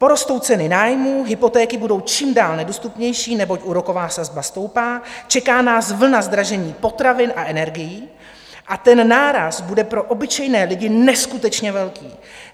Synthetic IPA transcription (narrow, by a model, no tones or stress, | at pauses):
po̞ɾo̞st̪o̞wt͡sɛnɪnaːjmuːɦɪpo̞t̪ɛːkɪbudo̞wt͡ʃiːmdaːlnɛdost̪upɲɛjʃiːnɛbo̞cʔuɾo̞ko̞vaːsazbast̪o̞wpaːt͡ʃɛkaːnaːsvl̩nazd̪ɾaʒɛɲiːpo̞t̪ɾavɪnʔaʔɛnɛɾɡɪjiː | ʔat̪ɛnːaːɾasbudɛpɾo̞ʔo̞bɪt͡ʃɛjnɛːlɪɟɪnɛskut̪ɛt͡ʃɲɛvɛlkiː